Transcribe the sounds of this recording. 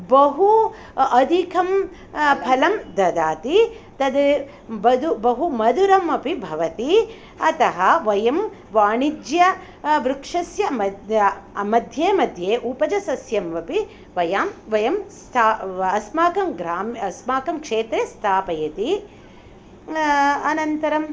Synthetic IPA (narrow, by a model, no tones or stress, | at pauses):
bɐɦu | ɐd̪ʱikʰɐm | pʰɐlɐmd̪ɐd̪aːt̪i | t̪ɐd̪ | bɐd̪ubɐɦumɐd̪uɾɐmɐpibʱɐʋɐt̪i | ɐt̪ɐɦɐʋɐjɐm | ʋaːɳid͡ʒjɐ | ʋɾukʂɐsjɐɐ | mɐd̪ʱjeːmɐd̪ʱjeːʔupɐd͡ʒɐsɐsjɐmʋɐpi | ʋɐjaːmʋɐjɐmst̪ʰaɐsmaːkɐmɡɾaːmɐsmaːkɐmkʂeːt̪ɾest̪ʰaːpɐjɐt̪i | ɐnɐnt̪ɐɾɐm